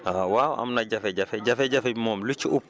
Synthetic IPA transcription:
awaːwɐ̰mnɐɟɐfɛɟɐfɛɟɐfɛɟɐfɛbimoːmlut͡ʃiʔup

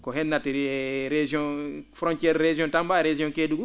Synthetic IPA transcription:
kɔɦɛnːatiɾed͡ʒiɔ̃fɾɔ̃ntjɛɾɾed͡ʒiɔ̃ntambaɾed͡ʒijɔ̃ŋkeduɡu

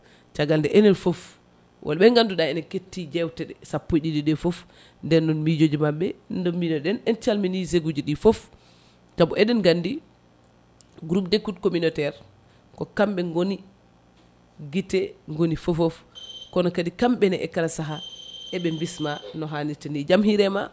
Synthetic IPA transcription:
t͡ʃaɡaldɛʔɛnɛlfof | wʔa̰lɓɛŋɡanduɗaɛnɛketːid͡ʒɛwtɛɗɛsapːoɗidiɗɛfof | ndɛnːɔnmid͡ʒod͡ʒimaɓːɛndɔminɔɗɛnɛnt͡ʃalminiseɡud͡ʒiɗifof | t͡ʃabɔɛɗɛnɡandi | ɡuɾupdekutkominɔtɛɾ | kɔkamɓɛŋɡoni | ɡitɛŋɡonifofofkɔnɔkadikamɓɛnɛʔɛ̰kalasaɦaʔɛɓɛmbismanɔɦanitinid͡ʒamɦiɾɛma̰

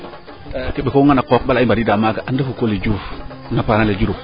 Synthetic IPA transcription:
kebekoŋanakok̚ɓalaimbadidamaɡaʔandəfukoled͡ʒuf | napanaled͡ʒuɾu

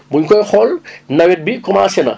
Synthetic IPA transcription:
buɲkɔjxɔlnɐwɛt̚bikɔmaːsɛnɐ̰

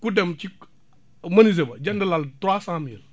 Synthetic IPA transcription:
kudɛmt͡ʃi | mɐniz̬ebɐd͡ʒɐndɐlaltɾaːsãmiːl

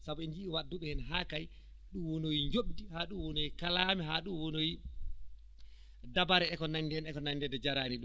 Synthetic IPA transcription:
sabɔɛnd͡ʒiiwadːuɓɛhɛnɦaːkaj | ɗumwonojiɲd͡ʒoɓdihaɗumwonojikalamiɦaɗumwonoji | dabaɾɛɛkɔnaɲdɛnɛkɔnaɲdɛdɛd͡ʒaɾaːniɗum

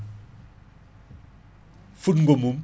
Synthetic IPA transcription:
futŋɡomum

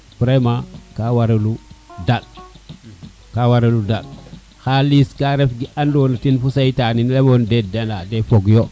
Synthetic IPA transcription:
puɾajmakawaɾeludal | kawaɾeludal | xaliskaɾefɡiʔandonatinfusaitaninlemondedenadefoɡjo

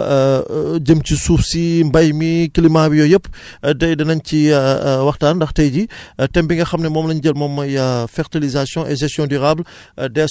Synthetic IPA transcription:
ɟəmcisuːfsimbɐjmikilimabijɔjəpː | dɛjdɐnɐɲciwɐxtaːndɐxtɛjɟitɛmbiŋɡɐxɐmnɛmɔːmlɐɲɟəlmɔːmːɐjɐfɛɾtilizasjɔ̃ʔɛʒɛstjɔ̃dyɾaːbl | dɛ

